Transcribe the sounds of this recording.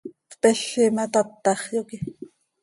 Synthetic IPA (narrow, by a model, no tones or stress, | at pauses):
tpɛɬːimɑt̪ɑt̪ːɑχjoki